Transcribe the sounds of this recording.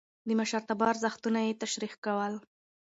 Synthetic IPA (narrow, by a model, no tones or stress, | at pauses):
d̪əmaʃaɾt̪abɑɾzaxt̪unajet̪aʃɾixkawəl